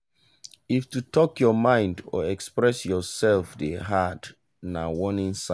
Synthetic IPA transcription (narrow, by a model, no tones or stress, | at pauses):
iftutʰɔkjɔmãɪ̃ndɔ̰ɛkspɹɛsjɔsɛlfdeɦat | nawɔnĩnsã